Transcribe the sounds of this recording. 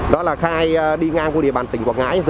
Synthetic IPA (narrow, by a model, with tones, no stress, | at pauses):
ɗɔ˨˦laː˨˩xaː˧jɗi˧ŋaː˧ŋku˧˩ḭ˨əɓaː˨˩nt̪ï˨˩ŋ̟kwaː˨˧˩k̚ŋa̰ː˧˥jzɨ˧